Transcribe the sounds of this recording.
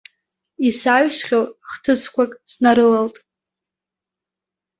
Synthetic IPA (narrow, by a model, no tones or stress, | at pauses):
isaɥʃχʲowχtʰɨskʷʰakʼsnaɾɨlaltʼ